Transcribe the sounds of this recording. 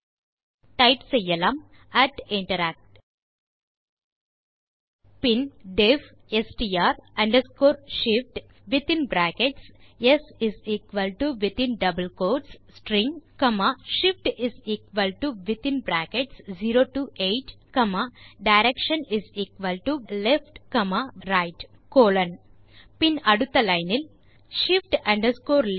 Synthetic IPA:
ʈaɪʈsejɐlɐm | æʈĩɳʈɐɾæːk̚ʈ | pinɖef | esʈiaːɾɐ̃ɳɖəskoːɾʃifʈ | ʋit̪ĩnbɾæːkeʈsjesiziːkʋɐlʈuʋit̪ĩnɖɐbəlkoːɖssʈɾĩŋkɐmaːʃipʈiziːkʋɐlʈuʋit̪ĩnbɾaːkeʈsd͡ʒiːɾoːʈuːʔeːʈkɐmaːɖɐjɾekʃɐniziːkʋɐlʈulefʈkɐmaːɾajʈ | koːlɐn | pinɐɽut̪ːɐlɐjnil | ʃifʈɐ̃ɳɖɐɾskoːɾ

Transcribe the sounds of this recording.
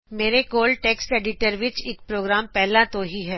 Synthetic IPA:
meːɾekoːlʈeːksʈeːɖɪʈəɾʋɪt͡ʃɪk̚pɾoːɡɾaːmpɛɦlãt̪oɦiɦɛː

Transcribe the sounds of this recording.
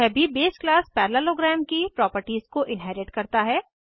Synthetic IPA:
ɛbʱibeːsklaːspɛːɾlaloːɡɾɛːmkipɾɔːpəɾʈiːzkoʔɪ̃nɦɛːɾɪʈkɐɾt̪aɦɛː

